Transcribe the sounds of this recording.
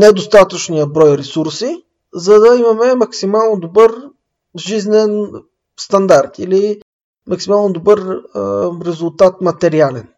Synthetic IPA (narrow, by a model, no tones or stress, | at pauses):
nɛd̪ost̪at̪ət͡ʃnijəbɾɔjɾɛsuɾsi | zɐd̪ɐimɐmɛmɐksimalˠnod̪obɤɾ | ʒiznɛn | st̪ɐnd̪aɾt̪ili | mɐksimalˠnod̪obɤɾəɾɛzulˠt̪at̪̚mɐt̪ɛɾialɛn